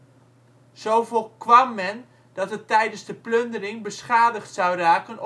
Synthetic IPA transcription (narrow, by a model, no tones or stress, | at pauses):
z̥owvolˠkʋɑmːɛn | d̥ɑtətːɛjdənzdəplɵndərɪŋbəsχaːdəχtsɑwraːkən